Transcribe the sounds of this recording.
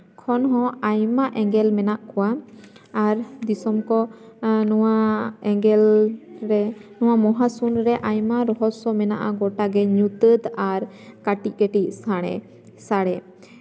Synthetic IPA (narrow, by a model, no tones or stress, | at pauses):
kʰɔnɦɔ̃ajmaʔɛŋɡɛlmɛnaʔkuwaː | ɾd̪isɔmkɔ | waɛɡɛlɾɛnɔwamɔɦasunɾɛʔajmaɾɔɦɔsɔmɛnaʔaɡɔʈaɡɛɲut̪əd̪aɾ | kaʈic̚ˀkəʈic̚saɽ̃ɛ̰ | saɽɛ